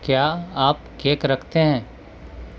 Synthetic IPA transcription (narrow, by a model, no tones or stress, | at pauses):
kjaːaːpkeːkɾɐkʰt̪eɦɛ̃ː